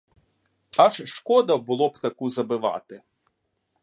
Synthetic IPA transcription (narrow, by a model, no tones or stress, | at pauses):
ɐʃʃkɔd̪ɐbʊlˠɔbt̪ɐkuzɐbɪʋɑ̰t̪ɪ